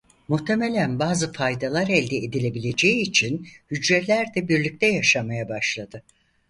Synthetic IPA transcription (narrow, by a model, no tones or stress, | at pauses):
muht̪ʰe̞melʲænbaːzɯfajd̪alˠaɾɛlʲd̪ɛed̪ilʲe̞bilʲe̞d͡ʒeiːt͡ʃʰinhyd͡ʒɾɛt̪lʲæɾd̪ɛbiɾlʲic̚t̪ʰɛjaʃamajabaʃlˠad̪ɯ